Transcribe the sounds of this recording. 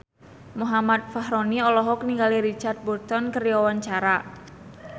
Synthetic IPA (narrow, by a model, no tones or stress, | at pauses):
muɦamat̪̚faɦɾoniɔlɔɦɔkniŋɡaliɾit͡ʃart̪̚bɔrt̪ɔnkəɾijɔwant͡ʃaɾa